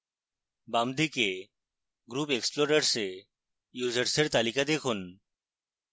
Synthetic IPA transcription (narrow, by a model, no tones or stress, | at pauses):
bamd̪ike | ɡɾupeksploɾəɾse | jud͡ʑəɾseɾt̪alikad̪ekʰun